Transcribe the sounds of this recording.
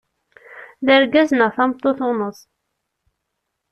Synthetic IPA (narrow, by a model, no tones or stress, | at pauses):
ðəɾɡæznəθɑmt̪ˤːoθʊnəsˤ